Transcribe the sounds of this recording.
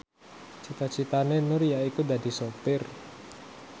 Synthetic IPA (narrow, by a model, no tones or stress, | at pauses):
t͡ʃit̪at͡ʃit̪anenʊrjaikud̪adi̤sopɪr